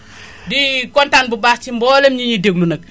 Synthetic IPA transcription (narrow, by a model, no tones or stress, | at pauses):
dikɔntanbubaːst͡ʃimbɔːlɛmɲiɲideɡlunɐk̚